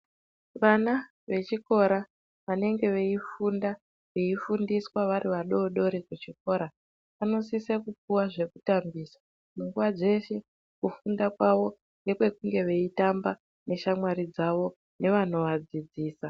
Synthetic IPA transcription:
ʋana | ʋe̞t͡ʃiko̞ɾa | ʋane̞ŋɡe̞ʋeifunda | ʋeifundiswaʋaɾiʋaɗo̞ɗo̞ɾekut͡ʃiko̞ːɾa | ʋano̞sisekupuwaʐe̞kutambiːsḁ | kuŋɡuwad͡ze̞ʃe̞ | kufundakwaʋo̞ | ŋɡe̞kwe̞kuŋɡe̞ʋe̞itamba | ne̞ʃamwaɾid͡zaʋo̞ | ne̞ʋan̤o̞ʋad͡zid͡ziːsa

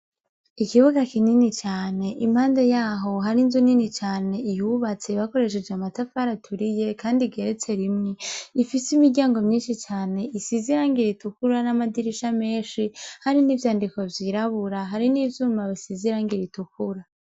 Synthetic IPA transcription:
ikiβuɡakininit͡ʃaːne̞ʔim̥haːndejaːɦo̞ɦaɾinzuninit͡ʃaːne̞ijuβat͡se̞βako̞ɾe̞ʃ̬e̞d͡ʒamatafaɾatʰuɾije̞kaːndiɡe̞ɾet͡se̞ɾimŋeifisimidɟaːŋɡo̞mɲiːnʃit͡ʃaːne̞ʔisiziɾaŋɡiɾitukuɾanamadiɾiʃame̞ːnʃihaɾiniːvjaːndiko̞vjiːɾaβuɾaɦaɾiniːvjuːmaβisiziɾaŋɡiɾitukuɾa

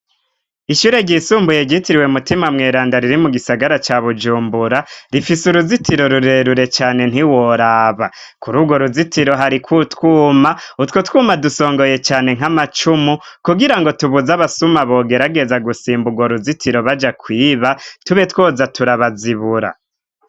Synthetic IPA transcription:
iʃuːɾe̞ɟiːsuːmbujeɟitiɾiwe̞mutimamŋeːɾaːndaɾiɾimuɡisaɡaɾat͡ʃaβud͡ʒuːmbuɾaɾifisuɾuzitʰiɾo̞ɾuɾe̞ɾuɾe̞t͡ʃaːne̞n̥iwo̞ɾaːβa | kuɾuɡwoɾuzitiɾo̞ɦaɾikwutkuːmautwotkuːmaduso̞ːŋɡoje̞t͡ʃaːne̞ŋ̥amat͡ʃumukuɡiɾaŋɡo̞tuβuzaβasumaβo̞ːɡe̞ɾaɡe̞zaɡusiːmbuɡwoɾuzitʰiɾo̞βad͡ʒakwiːβatuβe̞twoːzatuɾaβaziβuɾa̰

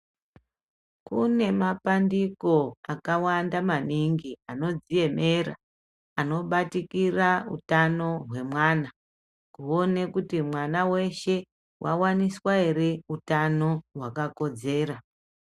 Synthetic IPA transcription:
kune̞mapandiko̞akawandamaniŋɡiano̞d͡zije̞me̞ra̰ | ano̞ɓatikiraṵtano̞ɦwe̞mwaːna | kuo̞ne̞kutimwanawe̞ʃe̞ | wʔawaniswae̞ɾeutano̞ɦwakako̞d͡ze̞ːɾa

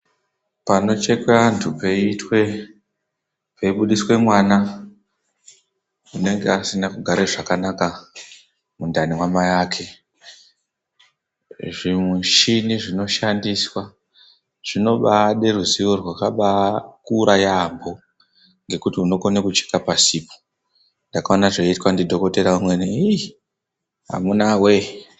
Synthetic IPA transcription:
pano̞t͡ʃe̞keʋantʰupeitwe | peiɓuɗiswe̞mwana | une̞ŋɡe̞asinakuɡʱaɾeʐakanaka | mundanimwamajaːkʰe̞ | ʐimweʃiniʐino̞ʃandiswa | ʐ̥ino̞ɓaɗeruziʋorwakaɓakuɾajambo̞ | ŋɡe̞kutiuno̞konekut͡ʃe̥kapasiːpo̥ | ndakaonaʐeitwandidʱo̞ko̞te̞ɾaumwenei | ɦa̰munawe

